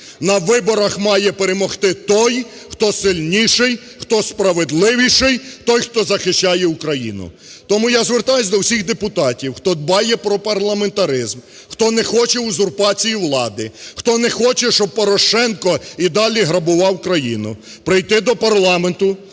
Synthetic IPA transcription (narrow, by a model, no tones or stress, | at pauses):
nɐʋɪbɔɾɐxmɑjɛpeɾemɔxt̪ɪt̪ɔj | xt̪ɔsɪlʲnʲiʃɪj | xt̪ɔspɾɐʋed̪lˠɪʋʲiʃɪjt̪ɔjxt̪ɔzɐxɪʃt͡ʃɑjɛukɾɐjḭnʊ̰ | t̪ɔmujazʋert̪ɑjʊsʲd̪ɔwsʲixd̪epʊt̪ɑtʲiwxt̪ɔd̪bɑjɛpɾɔpɐrlˠɐment̪ɐɾɪzm | xt̪ɔnɛxɔt͡ʃɛuzʊrpɑt͡sʲijiwlˠɑd̪ɪxt̪ɔnɛxɔt͡ʃɛʃt͡ʃɔb̚pːɔɾɔʃɛnkɔid̪ɑlʲiɦɾɐbʊʋɑwkɾɐjḭnʊ̰ | pɾɪjt̪ɪd̪ɔpɐrlˠɑment̪ʊ